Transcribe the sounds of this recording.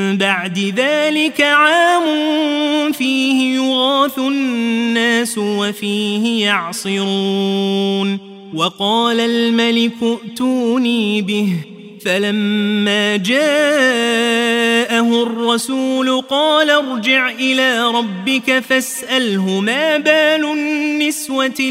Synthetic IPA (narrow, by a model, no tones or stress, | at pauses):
baʕd̪ɪðaːlɪkaʕaːmʊnfiːhɪjʊɣaːθʊnːaːsʊwafiːhɪjɑʕsˤɨɾuːn | wɑqɑːlalmalɪkʊʔt̪uːniːbɪh | falamːaːd͡ʒaː | ʔaɦʊrˤːɑsuːlʊqɑːlaɾˤd͡ʒɪʕʔɪlaːɾˤɑbːɪkafasʔalɦʊmaːbaːlʊːɪswa